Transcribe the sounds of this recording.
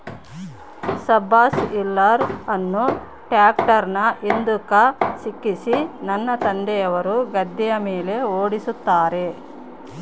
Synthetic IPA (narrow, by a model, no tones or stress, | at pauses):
sɐbaːsilːɐɾɐnːu | ʈjaːkʈɐɾnɐʔind̪ukɐsikːisinɐnːɐt̪ɐnd̪ɛjɐʋɐɾuɡɐd̪ːɛjɐmeːle̞oːɽisut̪ːaːɾe̞